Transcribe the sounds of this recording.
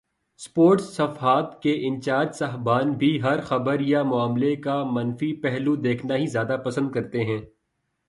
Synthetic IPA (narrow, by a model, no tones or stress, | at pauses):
spoːɾʈsːɐfɦaːt̪keʔɪ̃nt͡ʃaːd̪sɐɦbaːnbʱiɦɐɾxɐbəɾjamʊaːmlekamɐnfipɛɦlud̪eːkʰnaɦizjaːd̪apɐsə̃nd̪̚kɐɾt̪eɦɛ̃ː